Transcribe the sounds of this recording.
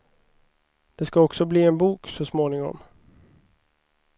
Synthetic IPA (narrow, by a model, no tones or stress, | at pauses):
d̪̥ɛskaɔksɔbliːɛnbuːksɔsmoːnɪŋɔ̰m